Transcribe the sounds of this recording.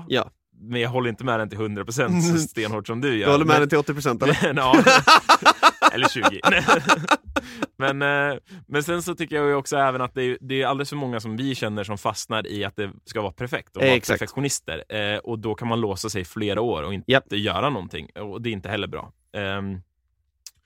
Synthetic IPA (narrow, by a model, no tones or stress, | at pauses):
jɑ̰ː | mɛnjaɡɦɔlːɾɪnt̪əmɛd̪ɛnt̪ʰɪlhɵnd̪ɾapɾʊs̬ɛnt̪st̪eːnhoːʈsɔmd̪ɵjœːhɔlːəɾmɛd̪ɛnt̪ɪɔt̪ːɪpʰɾʊsɛnt̪ɑɑː | ʔɛ̰lːɕʉ̟ːɡɪɛ | mɛnmɛnsɛnsɔt̪ʰʏkːəɾjajʏɔksɔɛːvənat̪̚d̪ɛːɾjɵd̪ɛːɾjʏald̪ələsfœɾmɔŋːasɔmvɪɕɛnːəʂɔmfasnaɾɪ̰at̪̚d̪ɛskavɑːɾapʰæɾfɛk̚t̪ɔɛ̰kfɛktɧʊnɪst̪ə̰ɾʔɔd̪ɔkʰanmanloːsasɛjfleːɾaoːɾɔ̰ɪnt̪t̪ːəjœ̰ːɾanɔnt̪ʰɪ̰ŋːɔd̪ɛɾɪnt̪əhɛlːəɾbɾɑ̰ː